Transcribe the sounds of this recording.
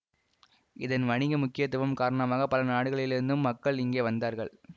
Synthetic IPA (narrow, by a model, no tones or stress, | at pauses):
ɪðɐnʋɐɳɪɣɐmʊkːɪjɐt̪ːɯʋɐmkaːɾɐɳɐmaːɣɐpɐlɐnaːɽɯɣɐɭɪlɪɾɯnd̪ɯmːɐkːɐɭɪŋɡeːʋɐnd̪aːɾɣɐɭ